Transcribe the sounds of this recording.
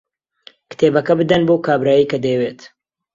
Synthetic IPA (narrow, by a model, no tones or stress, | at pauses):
kɨ̥t̪ʰeːbɐkɐbɨd̪ɐnbokaːbɾaːjijkɐd̪ɐjɛweːt̪